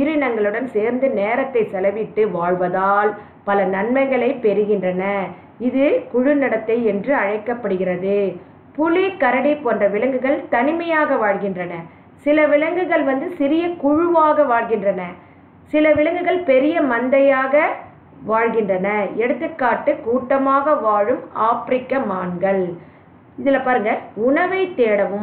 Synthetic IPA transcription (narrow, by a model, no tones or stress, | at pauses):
ɪɾɪnɐŋɡɐɭɯɽɐnseːɾnd̪ɯneːɾɐt̪ːɐɪsɛlɐʋɪʈːɯʋaːɻʋɐðaːl | pɐlɐnɐnmɐɪɣɐɭɐɪpɛɾɯɣɪndrɐnɐ | ɪðɯkʊɻɯnɐɽɐt̪ːɐɪɛndrɯɐɻɐɪkːɐpːɐɽɯɣɪɾɐðɯ | pʊlikɐɾɐɽɐɪpoːndrɐʋɪɭɐŋɡɯɣɐɭt̪ɐnɪmɐjaːɣɐʋaːɻɣɪndrɐnɐ | sɪlɐʋɪɭɐŋɡɯɣɐɭʋɐnd̪ɯsɪɾɪjɐkʊɻʊʋaːɣɐʋaːɭɣɪndrɐnɐ | sɪlɐʋɪɻɐŋɡɯɣɐɭpɛɾɪjɐmɐnd̪ɐjaːɣɐ | ʋaːɻɣɪndrɐnɐɛɽɯt̪ːɯkːaːʈːɯkuːʈːɐmaːɣɐʋaːɻɯmaːpɾɪkːɐmaːnɡɐɭ | ɪðɪlːɐpaːɾɯŋɡɐʊɳɐʋɐɪt̪ːeːɽɐʋɯm